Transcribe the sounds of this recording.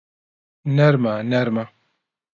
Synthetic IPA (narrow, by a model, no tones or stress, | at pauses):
nɛɾmanɛɾma